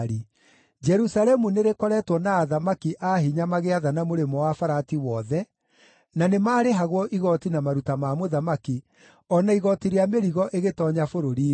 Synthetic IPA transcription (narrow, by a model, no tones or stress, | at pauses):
ɾi | d͡ʒɛɾusaɾɛmuneɾekɔɾɛtwɔnaːðamakiʔaɦiɲamaɣeaðanamoɾemɔwafaɾatiwɔðɛ | nanemaːɾeɦaɣwɔʔiɣɔtinamaɾutamamoðamaki | ɔnaiɣɔtiɾeameɾiɣɔʔeɣetɔɲafoɾoɾiː